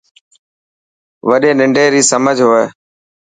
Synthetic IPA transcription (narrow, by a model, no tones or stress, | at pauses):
ʋəɗeːnɪɳɖeːɾiːsəməd͡ʒʱɦoːeː